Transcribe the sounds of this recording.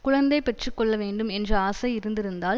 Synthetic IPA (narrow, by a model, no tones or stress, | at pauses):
kʊɻɐnd̪ɐɪpɛʈrɯkːɔɭːɐʋeːɳɖɯmɛndrɐaːsɐɪɪɾɯnd̪ɪɾɯnd̪aːl